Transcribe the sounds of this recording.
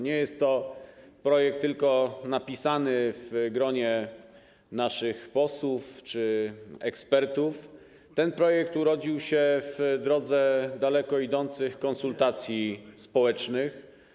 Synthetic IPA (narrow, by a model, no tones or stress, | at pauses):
ɲɛjɛst̪ːɔpɾɔjɛk̚t̪ːɘlkɔnapʲisanɘvɡɾɔɲɛ | naʂɘxpɔswuft͡ʂɘɛkspɛɾt̪uf | t̪ɛnpɾɔjɛk̚t̪uɾɔd͡ʑiwɕɛvd̪ɾɔd̪zɛd̪alɛkɔid̪ɔnt̪sɘxkɔnsult̪at̪sʲjispɔwɛt͡ʂnɘx